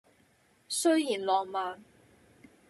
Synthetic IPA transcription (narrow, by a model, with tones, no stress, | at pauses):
sɵ˥ɥjiː˨˩nlɔː˨ŋmaː˨˧n